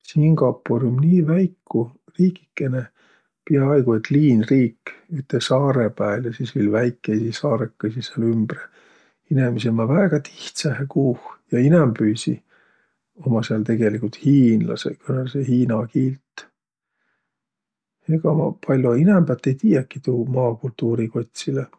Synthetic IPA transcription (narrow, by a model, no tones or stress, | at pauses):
siŋɡɑpːoɾjumniːvæjkːu | riːki̥kːene | piɑɑjɡ̥uet̪liːnriːkːyt̪ːˑesɑːɾepæːljɑsisviːlvæjkːˑesisɑːɾekːɑsiseɑlymb̥re | inemis̬emɑvæːɡ̥ɑt̪i̥ht̪sɑhekuːhjɑinɛmpyːsi | o̞mɑseɑlt̪e̞ɡ̥e̞likult̪hiːnlɑ̰sḛkønesehiːnɑkiːlt̪ː | eɡ̥ɑmɑpʰɑlʲjoinɛmb̥ɑt̪ːe̞jt̪iːjɑkːit̪uːmɑːkult̪ːuːɾiko̞t̪ʲsile